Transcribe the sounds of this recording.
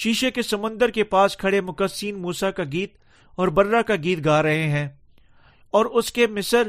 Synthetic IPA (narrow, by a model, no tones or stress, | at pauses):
ʃiːʃekesɐmʊ̃nd̪əɾkepaːskʰɐɽemʊkəsiːnmuːsakaɡiːt̪̚ | ɔːɾbɐɾːakaɡiːt̪̚ɡaːɾɐɦeɦɛ̃ː | ɔːɾʊskemɪsəɾ